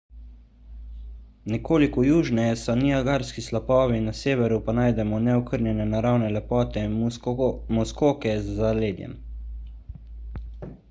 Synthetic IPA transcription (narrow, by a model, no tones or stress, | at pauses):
nɛkoːlikɔjuːʒnɛjɛsɔniaɡaːɾskislapɔːʋinaseːʋɛɾupanaːjd̪ɛmɔnɛɔkəɾnjɛnɛnaɾawnɛlɛpɔːt̪ɛ | mɔskoːkɛzzaleːd̪jɛ̰n